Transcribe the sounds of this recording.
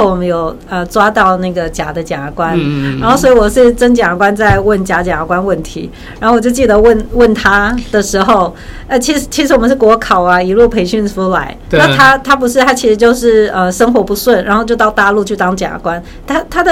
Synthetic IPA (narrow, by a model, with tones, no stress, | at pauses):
o˥˩wɔ˨˩mə˦njo˨˩ʊ | ə˧ʈ͡ʂwa˥t̪ɑ˥˧ʊna˥˩ɡə˩t͡ɕja̰˨˩d̪ə˦t͡ɕja̰˨˩kwa˦nɻa˧˥nxo˥˩ʊswɔ˧˥i˧wɔ˨˩ʂɻ̩˥˩ʈ͡ʂə˥ŋt͡ɕja˨˩˨kwa˦nt͡sa˥˧ɪwə˥˩nt͡ɕja˧˥t͡ɕja˨˩kwa˥nwə˥˩nt̪ʰi˧˥ | ɻa˨˧˥o˥˩wɔ˨˩jo˥˧ʊt͡ɕi˥˩d̪ə˩˦wə˥˩nwə˥˩nt̪ʰa˥d̪ə˨ʂɻ̩˧˥xo˥˧ʊ | a˥˩ɪt͡ɕʰi˧˥ʂɻ̩˧˥t͡ɕʰi˧˥ʂɻ̩˧˥wɔ˨˩mə˦nʂɻ̩˥˩kwɔ˧˥kʰɑ˨˩ʊa˦i˨˩lu˥˩pʰe˧˥ɪɕy˥˧nsu˥la̰˧˥ɪna˥˩t̪ʰa˥t̪ʰa˥p̬u˧˥ʂ̬ɻ̩˥˩t̪ʰa˥t͡ɕʰi˧˥ʂɻ̩˧˥t͡ɕjo˥˧ʊʂɻ̩˥˩ə˧ʂə˥ŋxwɔ˧˥pu˧˥swə˥˩nɻa̰˧˥nxo˥˧t͡ɕjo˥˧ʊt̪ɑ˥˧ʊt̪a˥˧lu˥˧t͡ɕʰy˥˩t̪ɑ˥ŋt͡ɕja̰˨˩˨kwa˦˥n | t̪ʰa˥t̪ʰa˥d̪ə˨